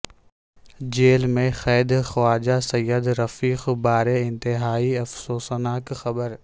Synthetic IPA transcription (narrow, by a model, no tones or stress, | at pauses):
d͡ʒeːlmẽxɛːd̪xwaːd͡ʒasɐjːəd̪ɾɐfiːxbaːɾeɪ̃nt̪ɪɦaːiɐfsoːsnaːkxɐbəɾ